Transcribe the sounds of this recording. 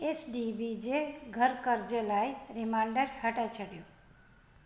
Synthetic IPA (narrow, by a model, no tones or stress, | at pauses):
esɖibid͡ʒeɡʱʌɾkʌɾd͡ʒelajɾimaɳɖʌɾhəʈajt͡ʃʰəɽjo